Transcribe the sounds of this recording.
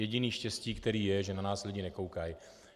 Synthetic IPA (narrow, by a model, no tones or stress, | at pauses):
jɛɟɪniːʃcɛsciːkt̪ɛɾiːjɛʒɛnanaːslɪɟɪnɛko̞wkaj